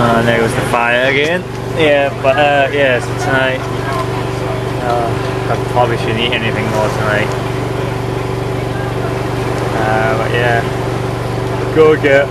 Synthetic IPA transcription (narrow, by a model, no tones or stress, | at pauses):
aɪnoɪt̚wʌzðəfaɪə˞ɨɡɛ̃n | jæb̥ʌtʌjæstʰənaɪt̚ | o | aɪpʰɹ̥ɑbəbliʃɨdⁿn̩itɛniθɪ̃ŋmɔːˑtʰənaɪt̚ | ʌbʌ̰ʔjæ | ɡ̥oʊɡə